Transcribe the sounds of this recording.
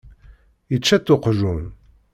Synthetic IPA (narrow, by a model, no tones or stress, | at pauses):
jət͡ʃːæt̪ːʊqʒun